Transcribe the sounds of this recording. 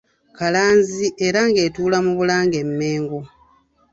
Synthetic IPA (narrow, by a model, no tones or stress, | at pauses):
kalaːnziʔeɾaŋɡe̞ːtuːlamuβulaːŋɡe̞mːe̞ːŋɡo